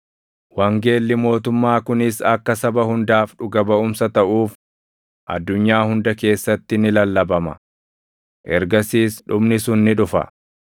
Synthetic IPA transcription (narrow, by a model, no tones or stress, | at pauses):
wɐŋɡe̞ːlːɪmo̞ːt̪ʊmːaːkʊnɪsɐkːɐsɐbɐhʊnd̪aːfᶑʊɡɐbɐʊmsɐt̪ɐʔuːf | ʔɐ̰d̪ːʊɲːaːhʊnd̪ɐke̞ːsːɐt̪ːɪnɪlɐlːɐbɐmɐ̰ | ʔɛɾɡɐsiːsᶑʊbnɪsʊnːɪᶑʊfɐ̰